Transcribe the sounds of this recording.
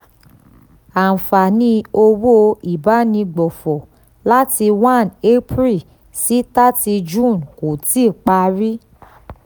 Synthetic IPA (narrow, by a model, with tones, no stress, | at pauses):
a˨fa˨nĩ˧o˧wo˦i˨ba˨˦nĩ˧ɡ͡bɔ˨fɔ˨ | la˦ti˧wã˦˨ne˦pɾi˦˨ | si˦ta˦ti˧d͡ʒũ˦˨nko˨ti˦˨k͡pa˧ɾi˦